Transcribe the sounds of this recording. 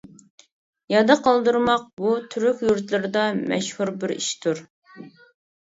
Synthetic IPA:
jɑd̪ɨqʰɑlˠd̪uɾmɑq̚but̪ʰyɾykʲjuɾt̪ʰlˠɨɾɨd̪ɑmɛ̰ʃhuɾbɪɾḭʃt̪ʰuɾ

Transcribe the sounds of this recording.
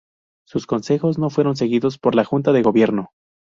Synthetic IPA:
susko̞nse̞xo̞zno̞fwe̞ɾo̞ns̬e̞ɣiðo̞spo̞ɾlaxunt̪aðe̞ɣo̞βje̞ɾno̞

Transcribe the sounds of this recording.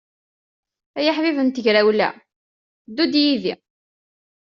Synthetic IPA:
æjəħvivənt̪əʝɾæwlæ̰ | d̪ːud̪jiðḭ

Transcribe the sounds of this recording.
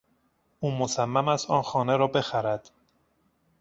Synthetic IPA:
ʔuːmosæmːæmæst̪ɒ̰ːnxɒːneɾɒːbe̞xæɾæd̪̥

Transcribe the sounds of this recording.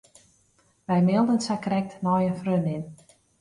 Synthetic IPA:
ʋɛjmɪlˠdənsakrɛk̚tnɔjənfrønɪn

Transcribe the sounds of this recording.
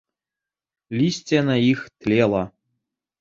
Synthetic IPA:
lʲisʲtʲenɑixt̪ʲlʲelˠɑ

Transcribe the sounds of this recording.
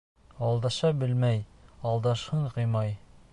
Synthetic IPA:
ɑlˠd̪ɑʃɑbɘlmæjɑlˠd̪ɑʃhɤɴqɤjmɑj

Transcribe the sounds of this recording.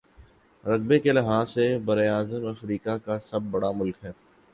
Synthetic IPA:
ɾɐɡ̚bekelɪɦaːsːebɐɾeaːzəmɐfɾiːkakasɐb̚ːɐɽamʊlkɦɛː

